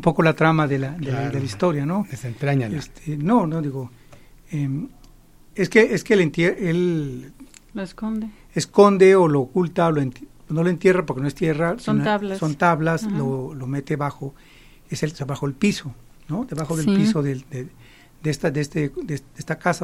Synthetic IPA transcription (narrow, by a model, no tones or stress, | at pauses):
umpo̞kolat̪ɾamaðelad̪ed̪elaist̪o̞ɾjanod̪esent̪ɾaɲaest̪ʰenonod̪iɣo | em | eskeʔeskelent̪jeʔel | loskond̪e | esko̞nd̪e̞oloːkult̪aoloent̪noloent̪je̞rap̬oɾkenoest̪jerasonalsont̪aβlaslolomet̪eβaxo | eselseβaxo̞elpiso | nod̪eβaxoðelppisoðed̪e | d̪est̪ad̪est̪ed̪ed̪est̪akasa